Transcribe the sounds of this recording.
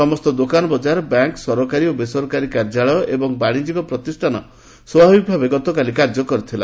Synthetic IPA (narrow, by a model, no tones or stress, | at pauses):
ɔmɔst̪ɔd̪okanɔbɔd͡ʒaɾɔbaŋksɔɾɔkaɾiobesɔɾɔkaɾikaɾd͡ʒaɭɔjɔʔebɔŋbaɽ̃id͡ʒikɔpɾɔt̪isʈʰanɔ | sɔbʱabiɡbʱabeɡɔt̪ɔkalikaɾd͡ʒɔkɔɾit̪ʰila̰